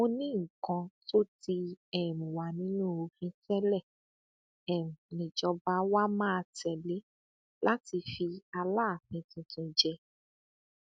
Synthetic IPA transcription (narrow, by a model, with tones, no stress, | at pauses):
o˧nĩ˦ŋ̩˨kã˧to˦ti˧ɛ˨mũ˨wa˨nĩ˦nũ˦o˧fĩ˧sɛ˦lɛ˦˨ | ɛ˨m̩̃˨nĩ˨d͡ʒɔ˧ba˨˦wa˦mãː˦˧tɛ˨le˨˦ | la˦ti˧fi˧a˧la˦˨fĩ˨˧tũ˧tũ˧d͡ʒɛ˧